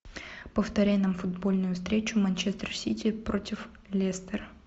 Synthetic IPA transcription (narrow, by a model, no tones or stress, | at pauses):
pəft̪ɐɾʲæjnamfʊd̪bo̞lʲnʊjʊfst̪ɾʲet͡ɕʊmɐnʲt͡ɕest̪ərsʲitʲɪpɾo̞tʲɪf | lʲest̪ər